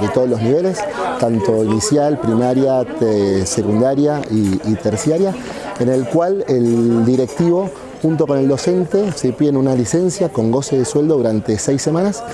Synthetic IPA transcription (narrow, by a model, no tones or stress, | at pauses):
ðet̪o̞ðolo̞zniβe̞le̞st̪ant̪o̞inisjalpɾimaɾja | sekund̪aɾjaʔiːt̪eɾsjaɾja | enelkwaleld̪iɾe̞k̚t̪iβo̞ | xunt̪̬o̞kone̞ld̪o̞se̞nt̪e̞sipjenunalisensjako̞ŋɡo̞seðeswe̞ld̪oðuɾant̪e̞sejsːemãnas